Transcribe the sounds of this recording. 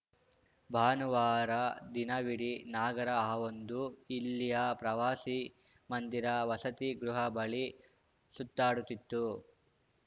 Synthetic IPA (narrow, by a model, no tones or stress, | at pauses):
bʱaːnuʋaːɾɐd̪inɐʋiɽinaːɡɐɾɐaːʋond̪uilːijɐpɾɐʋaːsi | mɐnd̪iɾɐʋɐsɐt̪iɡɾuɦɐbɐɭi | sut̪ːaːɽut̪ːit̪ːu